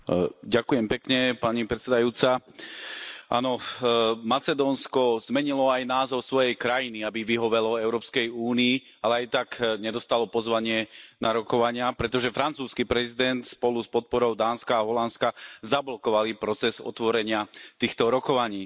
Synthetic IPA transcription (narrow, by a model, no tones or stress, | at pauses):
ɟakujɛmpɛkɲɛpaɲipɾɛt̪t͡sɛd̪ajuːt͡sa | ʔa̰ːnɔ | mat͡sɛd̪ɔːnskɔzmɛɲilɔajnaːzɔʊsʋɔjɛjkɾajiniabiʋiɦɔʋɛlɔɛʊɾɔːpskɛjuːniː | alɛajt̪akɲɛd̪ɔst̪alɔpɔzʋaɲɪɛnaɾɔkɔʋaɲɪapɾɛt̪ɔʒɛfɾant͡suːskipɾɛzid̪ɛnt̪spɔluspɔt̪̚pɔɾɔʊd̪aːnskaːɦɔlanskazablɔkɔʋalipɾɔt͡sɛzɔ̰t̪ʋɔɾɛɲɪat̪iːxt̪ɔɾɔkɔʋaɲiː